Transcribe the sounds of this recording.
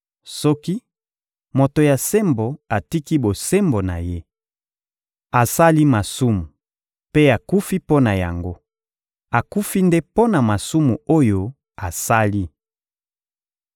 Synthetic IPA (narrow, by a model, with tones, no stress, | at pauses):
sɔ˦ki˦ | mo˨to˨ja˨se˦mbo˨a˨ti˦ki˦bo˨se˦mbo˨na̰˨je˦ | a˨sa˦li˦ma˨su˦mu˨ | pe˦a˨ku˦fi˦po˦na˨ja̰˨ŋɡo˦ | a˨ku˦fi˦nde˦po˦na˨ma˨su˦mu˨o˦jo˦ | a˨sa˦li˦